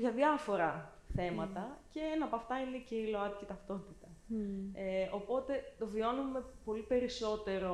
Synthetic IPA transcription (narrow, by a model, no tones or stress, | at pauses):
ʝɐðjɐfo̞ɾɐ | θe̞mɐt̪ɐce̞enɐpoɐft̪ɐineceiloɐt̪cit̪ɐft̪o̞t̪it̪ɐeo̞po̞t̪e̞t̪o̞vio̞nume̞po̞lipe̞ɾiso̞t̪e̞ɾo̞